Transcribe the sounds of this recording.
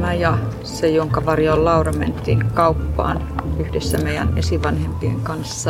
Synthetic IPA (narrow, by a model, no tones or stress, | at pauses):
mæjɑ | sejoŋkɑʋɑrjollɑurɑmḛnt̪ˑḭːkɑupːɑ̰ːn | yhdesːæmeijæ̰nḛsiʋɑnhempieŋkɑnsːɑ